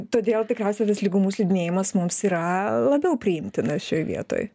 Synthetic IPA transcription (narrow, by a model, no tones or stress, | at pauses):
t̪oːd̪ʲeːlˠt̪ʲɪkɾʲɛʊsʲɛt̪ɐslʲɪɡʊmuːslʲɛɪd̪ʲɪnʲeːjɪmɐsmʊmsiːɾɐlˠɐbʲɛʊpʲɾʲɪɪmʲt̪ʲɪnɐsʃoːjʋʲḭɛt̪o̰ːj